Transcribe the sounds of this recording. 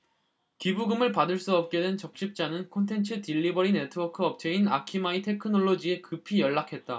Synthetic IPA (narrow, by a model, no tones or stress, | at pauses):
kibuɡɯmɯɭpadɯɭs͈uʌp̚k͈e̞dwe̞nt͡ɕʌk̚ɕ͈ip̚t͡ɕ͈anɯnkʰontʰe̞nt͡ɕʰɯtiʎːibʌɾinetʰɯwʌkʰɯʌp̚t͡ɕʰe̞inakʰimaitʰekʰɯnoɭːod͡ʑie̞kɯpʰijʌɭːakʰe̞t̚t͈a